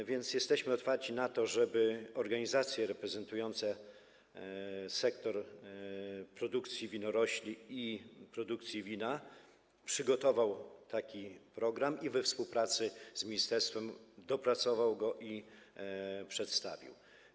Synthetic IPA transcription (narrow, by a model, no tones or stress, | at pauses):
vʲjɛnt̪sjɛst̪ɛɕmɘɔt̪faɾt͡ɕinat̪ɔʐɛbɘɔɾɡaɲizat̪sʲjɛɾɛpɾɛzɛnt̪ujɔnt̪sɛ | sɛkt̪ɔɾ | pɾɔd̪ukt̪sʲjivʲinɔɾɔɕlʲiipɾɔd̪ukt̪sʲjivʲina | pʂɘɡɔt̪ɔvawt̪akʲipɾɔɡɾamivɛfspuwpɾat̪sɘz̥mʲiɲist̪ɛɾst̪fɛmd̪ɔpɾat̪sɔvawɡɔʔi | pʂɛt̪st̪a̰vʲḭw